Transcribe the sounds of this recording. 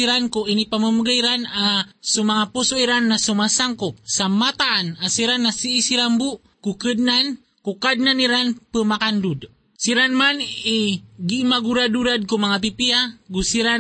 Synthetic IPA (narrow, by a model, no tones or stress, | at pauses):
iɾankuinipaməmuɡaiɾanasumaŋapusoiɾanːasumasaŋkosamat̪aʔːnasiɾanːasiːsiɾambuʔ | kukədnan | kukad̪̚naniɾanpəmakandud | siɾanmaniɡimaɡuɾaduɾad̪̚kumaŋap̬ipiaɡusiɾa